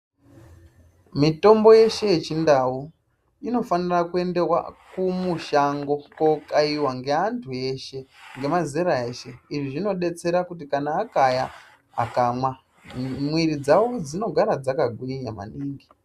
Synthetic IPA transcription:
mito̞mbo̞je̞ʃe̞jet͡ʃindau | ino̞fanirakue̞nde̞rwa̰kumuʃaŋɡo̞kokaiwaŋɡe̞antʰue̞ʃe̞ŋɡe̞mazeɾae̞ːʃe̞iʐiʐino̞ɗe̞t͡se̞ɾakutikanaːkaja̰ː | kamwa | mwiɾid͡zawo̞d͡zino̞ɡʱaɾad͡zakaɡʱwiɲama̰niːŋɡi

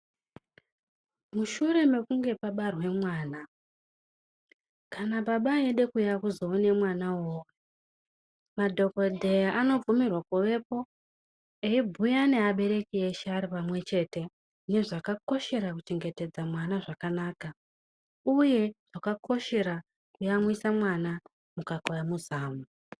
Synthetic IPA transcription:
muʃure̞me̞kuŋɡe̞paɓarwe̞mwaːna | kanaɓaɓaeɗe̞kujakuzo̞ːne̞mwanawoːwe | madʱo̞ko̞dʱe̞ano̞b͡vumirwakuʋe̞po̞ | eibʱujane̞aɓe̞ɾe̞kieʃeaɾipamwe̞t͡ʃe̞te̞ | ne̞ʐakako̞ʃe̞ɾakut͡ʃe̞ŋɡe̞te̞d͡zamwanaʐakanaːka | uje̞ʐ̥akakʰo̞ʃe̞ɾa | kujamwisamwana | mukakojamuzaːmu

